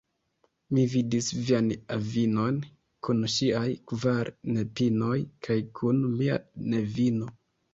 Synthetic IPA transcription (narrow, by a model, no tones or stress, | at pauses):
mividisvianavino̞n | kunʃiajkvaɾne̞pino̞jkʰajkʰunmia̰ne̞vino̞